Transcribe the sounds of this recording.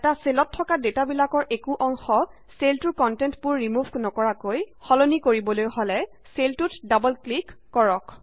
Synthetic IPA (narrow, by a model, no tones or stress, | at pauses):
ɛtaselɔtʰːɔkadetabilakɔɹʔekuʔɔŋxɔ | seltuɹkɔntɛntpʊɹːimuvknɔkɔɹakojxɔlonikoɹibɔlojhɔlɛ | seltutdabɔlklikːɔɹɔk